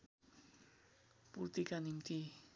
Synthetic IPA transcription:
puɾt̪ikanimt̪i

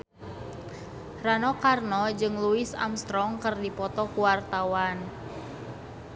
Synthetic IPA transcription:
ranɔkarnɔd͡ʒɨŋluisa̰mst̪ɾɔŋkərdipɔt̪ɔkuwart̪awan

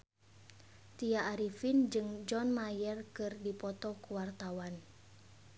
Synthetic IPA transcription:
t̪iaːɾifind͡ʒɨŋd͡ʒɔnmajɛrkɨrdipɔt̪ɔkuwart̪awan

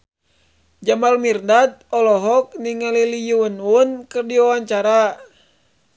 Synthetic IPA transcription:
d͡ʒamalmirndat̪̚ɔlɔɦɔk̚niŋalilijununkɨrdiwawaɲt͡ʃaɾa

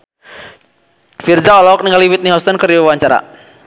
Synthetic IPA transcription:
fird͡ʒaɔlaɔk̚niŋaliwit̪̚niɦɔst̪ɔnkəriwwaɲt͡ʃaɾa̰

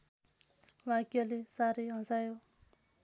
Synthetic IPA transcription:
wakølisaɾejɑŋsajo

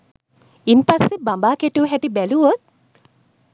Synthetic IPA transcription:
impasːebambaːkeʈuːɦɛʈibæluʋot̪̚

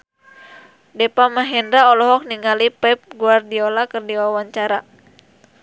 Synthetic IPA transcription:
dɛpamaɦɛndɾaɔlɔɦɔk̚niŋalipɛp̚ɡuardiɔlakɨrdiwawaɲt͡ʃaɾa

